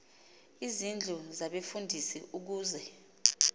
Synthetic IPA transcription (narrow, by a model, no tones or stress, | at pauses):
izind͡ɮʱuzaɓefundʱisiʔuk̬uːzɛ